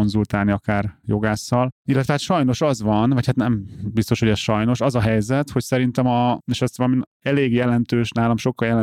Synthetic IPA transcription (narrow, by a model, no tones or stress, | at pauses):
onzult̪aːlniɒkaːrjo̞ɡaːsːɒlilːɛt̪ʋɛɦat̪ʃɒjno̞ʃɒzʋɒnvɒchat̪nɛmbist̪o̞ʃhoɛsʃɒjno̞ʃɒzɒɦɛjzɛt̪ho̞csɛɾint̪ɛmɒeʃɛsʋɒlɒmin | ɛleːɡjɛlɛnt̪øːʃnaːlɒmʃo̞kːɒljɛlɛ